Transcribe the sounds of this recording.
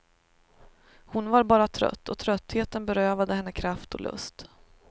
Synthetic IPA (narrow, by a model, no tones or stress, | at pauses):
hʊnvaɾbɑːɾat̪ʰɾœ̰t̪ːɔt̪ʰɾœt̪ːheːt̪ənbɛɾøːvad̪əhɛnːəkʰɾaft̪ʰɔ̰lʔɵ̰st̪